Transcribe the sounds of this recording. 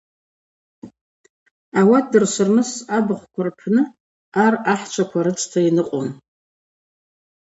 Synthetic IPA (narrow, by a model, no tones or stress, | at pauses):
awadɨrsʷɨrmɨsabɨχʷkʷʰarpʰnɨ | araħt͡ʃʷʰakʷʰaɾɨt͡sʼtʰainɨqʼo̰n